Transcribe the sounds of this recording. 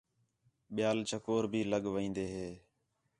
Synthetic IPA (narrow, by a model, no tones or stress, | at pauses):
ɓɪjaːlt͡ʃʰəkoːɾbʱiːləɠʋĩːnd̪eːɦeː